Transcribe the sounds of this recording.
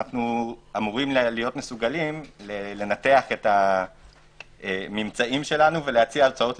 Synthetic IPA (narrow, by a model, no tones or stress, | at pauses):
aχnuamuʁimllijo̞tmesuɡalimlele̞nateaχe̞ta | emimt͡saimʃe̞lanuve̞leat͡sialt͡sao̞t